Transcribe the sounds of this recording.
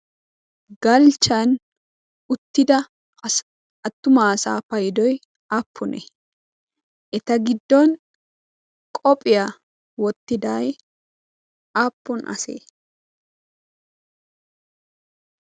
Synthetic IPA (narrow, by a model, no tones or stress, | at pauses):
ɡ̥ɐlt͡ʃːɐn | ʊt̪ːɪd̪ɐ | ɐt̪ːʊmaːsa̰ːpɐjd̪ɔj | aːpʰːʊnʔɛ̰ | ʔɛt̪ɐɡɪd̪ːɔn | kʼɔpʼɪja | wɔt̪ːɪd̪aːj | aːpːʊnʔɐ̰sḛː